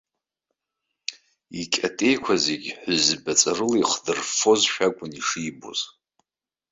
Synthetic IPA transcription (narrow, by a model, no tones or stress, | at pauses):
ikʲʼatʼe̞jkʷʰazeɡʲħʷʊzbat͡sʼarɨliχdɨrfo̞zʃᶣakʷʼʊniʂibo̰z̥